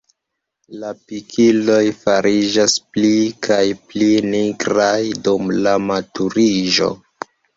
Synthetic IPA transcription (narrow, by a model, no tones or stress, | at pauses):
lapikʰilo̞jfaɾid͡ʒasplikʰajpliniɡɾajdumlamatuɾiʒo̞̰